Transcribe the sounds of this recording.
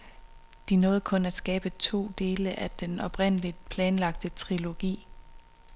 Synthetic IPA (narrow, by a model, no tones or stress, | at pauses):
d̥inɔ̽ːð̩ˠkʰɔ̽næd̥sɡ̥ɛːb̥ət͡sʰo̝̰ːd̥e̝ːləʔæd̥enɒ̽b̥ʁen̰əlid̥̚pʰlɛːnlɑ̈ɡ̥̚d̥ət͡sʰʁilo̝ɡ̥ḭː